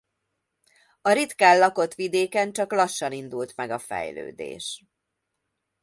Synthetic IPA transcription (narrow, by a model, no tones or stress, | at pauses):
ɒɾit̪kaːlːɒko̞t̪ʋid̪eːkɛnt͡ʃɒklɒʃːɒnind̪ult̪mɛɡɒfɛ̰jlø̰ːd̪ḛːʃ